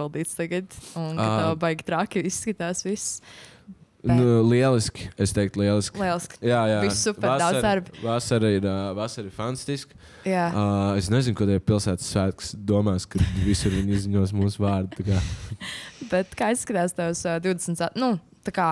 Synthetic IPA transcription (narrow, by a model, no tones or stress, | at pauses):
ilˠd̪iːt̪st̪aɡəd̪̥unkat̪awbajɡʲt̪ɾakʲiisːkɨt̪aːsʋis | nulˠiɛlˠiskʲest̪ɛjk̚t̪lˠiɛlˠisklˠiɛlˠiskjaːjaːvisupaadawzd̪aɾbvasaɾiɾvasaɾiɾfant̪ḁst̪isk | jaːesnɛzinkɔd̪jɛpilˠsæːt̪sːʋæːt̪̚ksd̪uɔmaːskad̪visuɾʋiɲizziɲuɔs̬muːsʋaːɾd̪̚t̪akaː | bɛt̪kaːissːkɨt̪aːst̪awsd̪iʊd̪ɛsn̩t̪sanu | t̪akaː